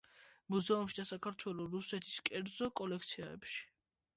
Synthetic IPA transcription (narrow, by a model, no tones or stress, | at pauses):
muzɛumʃid̪asakʰaɾt̪ʰwɛlɔɾusɛt̪ʰi̥skʼɛɾd̪zɔkʼɔlɛkʰt̪sʰiaɛ̰pʃi̥